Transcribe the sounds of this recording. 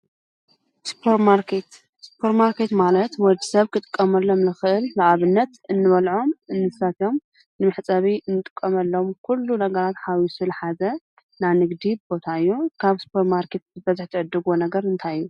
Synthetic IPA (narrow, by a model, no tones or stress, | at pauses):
spʰoɾmaɾkʰet̪ | spʰoɾmaɾket̪malɐt̪wɔd͡ʒisɐβkʰɨt̪ʼɨ̥kʼːɐmɐlːomlɨxɨʔɨllaʔaβɨnːɐt̪ɨnːɨβɐlʕo̞mɨnːɨsat̪o̞m | nɨmɨħt͡sʼɐβiɨnːɨt̪ʼɨ̥kʼːɐmɐlːomkʰulːunɐɡɐɾat̪ħawisulħazɐ | nanɨɡd̪ibbo̞t̪ʰaɨjːukʰaβspʰoɾmaɾkʰe̞t̪̚zɨbɐzɨħt̪ʰɨʕɨd̪ːɨɡonɐɡɐɾɨnt̪ʰajɨjːu